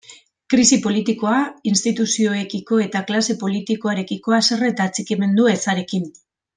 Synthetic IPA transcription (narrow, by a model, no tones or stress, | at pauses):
kɾisipo̞lit̪iko̞ainst̪it̪usio̞e̞kiko̞e̞t̪aklase̞po̞lit̪iko̞aɾe̞kiko̞aseret̪aːt͡sikime̞nd̪ue̞saɾe̞kin